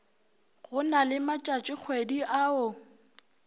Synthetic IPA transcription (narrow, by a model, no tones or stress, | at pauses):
ɣʊnalɪmat͡ʃʼat͡ʃʼɪk͡xʰwediʔaʊ